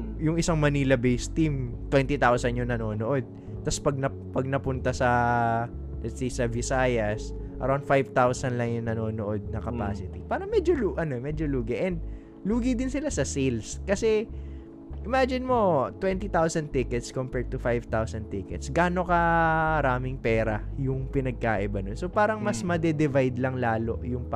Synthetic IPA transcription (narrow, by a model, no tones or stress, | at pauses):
jʊŋʔɪsaŋmɐniːlɐbejst̪imt̪wɛnt̪it̪awsɐnjʊŋnɐno̞ːnoʔo̞d̪̚ | t̪ɐspɐɡ̚nɐ | pɐɡ̚nɐpʊnt̪asɐ | lɛt̪sejsɐvɪsaːjɐs | ʔɐ̰ɾawnd̪fajvt̪awsɐnlɐŋjʊŋnɐno̞ːnoʔo̞d̪̚nɐkɐpa̰ːsɪt̪ipaːɾɐŋmɛd͡ʒoluʔɐnomɛd͡ʒoluːɡɪʔɛnd̪̚ | luːɡid̪ɪnsɪlasɐsilskɐsɛ | ʔɪmad͡ʒɪnmo̞t̪wɛnt̪it̪awsɐn̚t̪ɪkɛt̪skompɛɹd̪̚t̪ʊfajvt̪awsɐn̚t̪ɪkɛt̪sɡaːno̞kɐɐɾaːmɪŋpɛːɾɐjʊŋpɪnɐɡ̚kaːʔɪbɐnonsopaːɾɐŋmɐsmɐd̪ɛd̪ɪvajd̪lɐŋlaːlo̞ʔjʊŋp